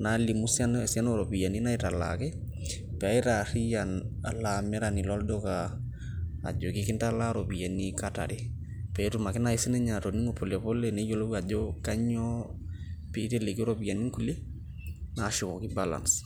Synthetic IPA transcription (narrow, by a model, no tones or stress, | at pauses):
nalimusansianoɾobijaninaitala̰kɛ | pɛaiɾarijana̰lamɛɾanilɔldɔka̰ː | d͡ʒokikintalaɾobijanikata̰ɾi | pɛtumakinaisineɲatoniŋopolepolenejolobad͡ʒokaɲɔ | pitelekiɾobijaniŋkule | naʃikokibala̰ns